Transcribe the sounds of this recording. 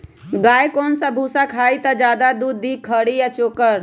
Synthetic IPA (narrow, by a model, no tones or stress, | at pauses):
ɡaːjkoːnsə̃bʱusakʰaːit̪əd͡ʒaːd̪ad̪uːd̪ːikʰəɽijat͡ʃoːkəɾ